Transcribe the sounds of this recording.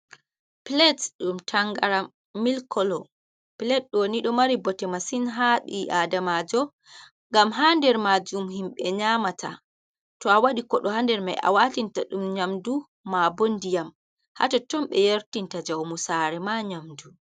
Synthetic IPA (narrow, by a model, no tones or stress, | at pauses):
plɛtɗumtʰaŋɡa̰ɾa | milkɔlɔ | pilɛt̚ɗoniɗɔmaɾibɔtɛmasinɦaɗiʔadamad͡ʒɔ | ŋɡamɦandɛɾmad͡ʒumhimɓɛɲamatʰa̰ | tɔawaɗikɔɗɔhandɛɾma̰jʔa̰watintaɗumɲamdu | mabondijam | ha̰tɔtɔmɓɛjeɾtintad͡ʒawmusaɾɛmaɲamdu